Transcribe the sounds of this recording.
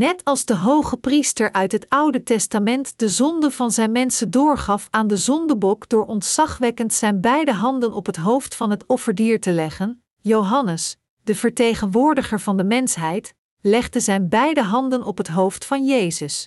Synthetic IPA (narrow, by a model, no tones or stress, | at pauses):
nɛtʰɑlˠzdəɦowχəpristəɹʔœɥtɦətɑwdətɛstamɛntd̥əzɔndəvɑnzɛjnmɛnsəndʊːɹχɑfaːndəzɔndəbɔkd̥ʊːɹɔntsɑχʋɛkəntsɛjnbɛjdəɦɑndənɔpɦətɦowftfɑnɦətɔfəɹdiːɹtəlɛχən | jowɦɑnəs | d̥əvəɹtejχənʋʊːɹdəχəɹvɑndəmɛnsɦɛjt | lɛχdəzɛjnbɛjdəɦɑndənɔpɦətɦowftfɑnjejzəs